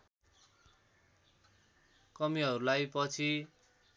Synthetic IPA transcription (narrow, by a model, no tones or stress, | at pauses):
kʌmiɦʌɾulajpʌt͡sʰi